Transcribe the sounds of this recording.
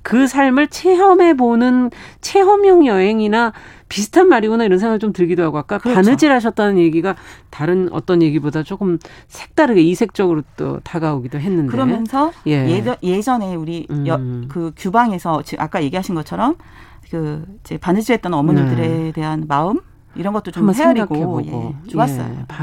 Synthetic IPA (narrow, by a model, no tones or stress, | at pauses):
kɯsʰaɭmɯɭt͡ɕʰe̞ɦʌme̞bonɯnt͡ɕʰe̞ɦʌmjʌŋjʌɦe̞ŋina | pis̬ʰɯ̥tʰanmaɾiɡonaiɾʌns̬ʰeŋaɡɯɭt͡ɕomtɯɭɡidoɦaɡoak͈akɯpanɯd͡ʑiɭɦaɕ̬ʰʌt̚t͈ʌnɯnje̞ɡiɡataɾɯnʌ̰t͈ʌnje̞ɡibodat͡ɕok͈ɯmsʰe̞k̚t͈aɾɯɡeisʰe̞k̚t͡ɕ͈ʌɡɯɾot͈o̰taɡaoɡidoɦenːɯndkɯeɾʌmjʌnsʰʌje̞je̞d͡ʑʌne̞uɾiʌkɯkjubaŋe̞sʰʌt͡ɕiʔak͈aje̞ɡiɦaɕʰinɡʌt͡ɕʰʌɾʌm | kɯid͡ʑe̞panɯd͡ʑiɾɦet͈̚ʌnʌmonidɯɾe̞de̞ɦanmaɯm | iɾʌnɡʌt͈̚ot͡ɕommaseeŋɾiɡaɡokebojeo̰t͡ɕoas͈ʌ̰j̰pa